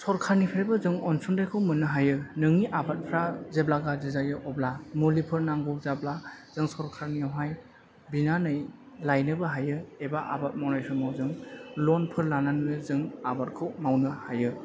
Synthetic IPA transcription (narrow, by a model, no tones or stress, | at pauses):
sɔɾkʰaɾnipʰɾebɯzɯŋɔnsundajkʰɯwmɯnːɯɦajɯnɯŋiʔabat̚pʰɾazeblaɡazizaɡiʔɔblamulipʰɯɾnaŋɡɔk̚zablaz̥ɯŋsɔɾkʰaɾniawɦaj | binanɯj | lajnɯbɯɦajɯebaʔa̰bat̚mawnajsʰɯmawzɯŋlɔnpʰɯɾlananɯnɯzɯŋabat̚kʰɯwmawnɯhajɯ